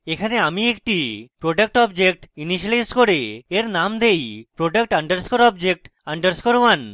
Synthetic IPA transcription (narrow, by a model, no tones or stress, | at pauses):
ekʰaneamiek̚ʈipɾoɖak̚ʈɔbd͡ʒek̚ʈiniʃalajskoɾeeɾnamd̪ejpɾoɖak̚ʈaɳɖəɾskoɾɔbd͡ʒek̚ʈaɳɖəɾskoɾwan